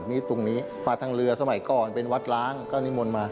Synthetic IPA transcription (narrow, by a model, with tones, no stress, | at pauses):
miː˦˥˩t̪u˧ŋniː˦˥ | maː˧t̪ʰaː˧ŋɾɯ˧ɐsa˧ma˨˩˦jkɔː˨˩npe˧nwa˦˥t̪̚laː˦˥ŋkɔː˥˩ni˦˥mo˧nmaː˧